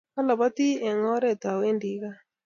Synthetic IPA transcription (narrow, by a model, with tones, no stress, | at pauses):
a˦la˨βa˦t̪i˦ɛ˨ŋɔ˦ɾɛ˦˨ta˨we˦ndi˨ɣa˦